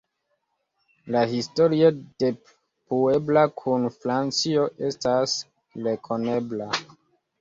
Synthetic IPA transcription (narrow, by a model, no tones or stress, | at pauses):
lahisto̞ɾiod̥e̞ | pue̞blakʰunfɾant͡sio̞ʔe̞stas | lekʰo̞nebla